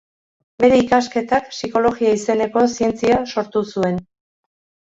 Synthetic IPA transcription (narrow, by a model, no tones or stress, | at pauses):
be̞ɾe̞ikaske̞t̪aksiko̞lo̞ɣiaise̞ne̞ko̞sie̞nt͡siaso̞ɾt̪usue̞n